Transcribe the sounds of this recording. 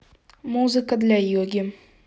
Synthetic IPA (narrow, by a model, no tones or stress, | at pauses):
muzɨkad̪ɪlʲajoɡʲɪm